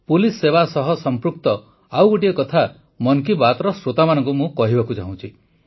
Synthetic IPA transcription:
pulisːeβasɔɦɔsɔmpɾuk̚t̪ɔ | awɡoʈiɔkɔt̪ʰa | mɔŋkibat̪ɾɔsɾot̪amanɔ̃ŋkumũkɔɦibakud͡ʒa̰ɦũt͡ʃʰi

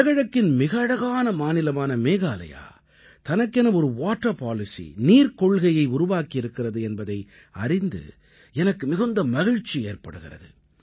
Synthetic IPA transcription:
ɣɐɻɐkːɪnmɪɣɐːɽɐɣaːnɐmaːnɪlɐmaːnɐmeːɣaːlɐ̰ja̰ː | t̪ɐnɐkːɛnɐɔɾɯʋaːʈːɐpaːlɪsḭniːɾkɔɭɣɐjɐɪʊɾʊʋaːkiɪɾɯkːɪrɐðɯɛnbɐðɐɪ | ɐ̰rɪnd̪ɯ̰ | ɛnɐkːɯmɪɣɯnd̪ɐmɐɣɪɻt͡ʃːieːrpɐɽɯɣɪrɐ̰ðɯ

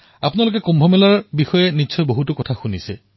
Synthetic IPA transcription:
apunalʊk̬ɛkumbʱɔmɛlaɹbixɔjɛnisʰɔjboɦutʊkɔtʰaxunisɛ

